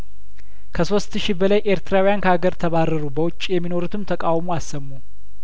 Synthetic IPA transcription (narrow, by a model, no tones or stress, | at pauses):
kʰəso̞st̪ʃibəlajʔe̞ɾt̪ʰɨɾawijankəhaɡəɾt̪ʰəβarːəɾubəwʊt͡ʃʼːjɛmːino̞ɾut̪ʰɨmt̪ʰəkʼawmuasːəmːu